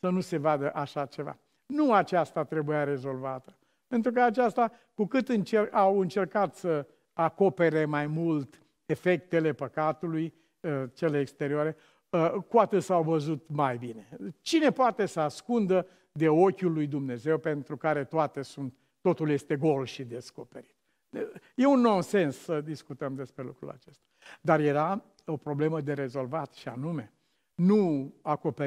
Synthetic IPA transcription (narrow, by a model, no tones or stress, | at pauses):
sənuse̞vad̪əʔaʃat͡ʃe̞va̰ | nuat͡ʃast̪at̪ɾebujaɾe̞zo̞lvat̪ə̥ | pe̞nt̪ɾukəat͡ʃast̪a | kukɨt̪ɨnt͡ʃerawɨnt͡ʃe̞rkat̪sə | ako̞pe̞ɾe̞majmult̪ | e̞fe̞k̚t̪e̞le̞pəkat̪uluj | ət͡ʃe̞leːkst̪e̞ɾioaɾe̞ | əkoat̪əsawvəzut̪majbine̞t͡ʃine̞poat̪e̞səaskund̪ə | d̪e̞o̞kʲulːujd̪umne̞ze̞wpe̞nt̪ɾukaɾe̞t̪oat̪e̞sunt̪ːo̞t̪ulje̞st̪e̞ɡo̞lʃid̪e̞sko̞pe̞ɾi̥t̪ | je̞unːonse̞nsːəd̪iskut̪əmd̪e̞spɾe̞lṵkɾṵla̰t͡ʃe̞st̪ḁd̪arje̞ɾa | opɾo̞ble̞məd̪e̞ɾe̞zo̞lvat̪ʃia̰nume̞ | nuako̞pe